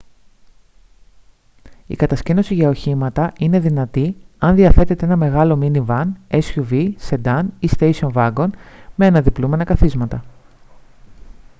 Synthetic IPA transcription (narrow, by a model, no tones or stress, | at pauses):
ḭkɐt̪ɐscino̞siʝɐo̞çimɐt̪ɐine̞ðinɐt̪iɐnðiɐθe̞t̪e̞t̪e̞enɐme̞ɣɐlo̞minivɐnesçuvise̞d̪ɐnist̪ejsio̞nvɐɡo̞nmeɐnɐðiplume̞nɐkɐθizmɐt̪ɐ